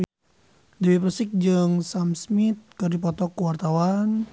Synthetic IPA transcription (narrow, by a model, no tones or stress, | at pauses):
diwipɾsɪk̚d͡ʒɨŋsamsmit̪̚kɨrdipɔt̪ɔkːəwart̪awan